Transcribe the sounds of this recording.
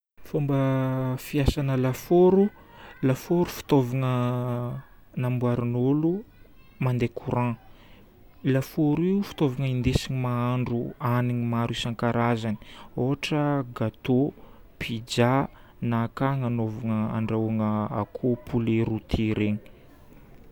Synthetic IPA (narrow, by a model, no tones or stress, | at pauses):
fombəfiasanəlafoɾu | lafoɾufi̥t̪ovaŋə | nambwaɾinolu | mand̪ekʰuɾã | lafoɾifi̥t̪ovaŋəind̪esiɲimaaɳɖ͡ʐuaniɲimaɾisaŋkaɾazani̥oɦaʈ͡ʂəɡat̪o | pʰid͡ʒa | nakaŋanovaŋəa̰ɳɖ͡ʐaaŋəa̰kʰopʰuleɾut̪ʰiɾeɲi̥